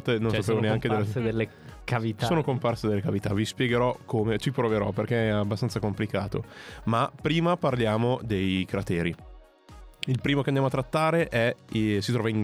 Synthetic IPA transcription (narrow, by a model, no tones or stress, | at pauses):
t̪enõnsapeːvoneaŋked̪elːed̪elːe | kavit̪asoːnokomparsed̪elːekavit̪a̰vispjɛɡeɾɔkʰomet͡ʃipɾoveɾɔperkeɛabːast̪ansakomplikaːt̪o̰mapɾiːmaparljaːmod̪ejkɾat̪ɛːɾi | ilpɾiːmokeand̪jamoat̪ːɾat̪ːaːɾeʔɛsit̪ɾɔːvain